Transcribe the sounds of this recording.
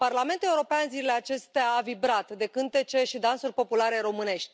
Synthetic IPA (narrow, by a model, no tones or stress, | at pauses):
parlame̞nt̪ule̞uɾo̞peanziɾile̞at͡ʃe̞st̪eaːvibɾat̪d̪e̞kɨnt̪e̞t͡ʃe̞ʃid̪ansurʲpo̞pulaɾe̞ɾo̞mɨne̞ʃt̪ʲ